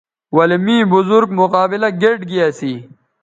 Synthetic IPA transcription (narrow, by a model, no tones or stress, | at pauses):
wɐlimĩːbʊzuɾɡmʊqaːbɪlɐɡeʈɡijasi